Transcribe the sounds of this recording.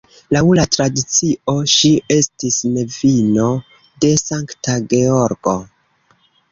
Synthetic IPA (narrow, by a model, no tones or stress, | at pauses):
laulatɾadit͡sio̞ʃie̞stisne̞vino̞ | de̞saŋktaɡe̞o̞ɾɡo̞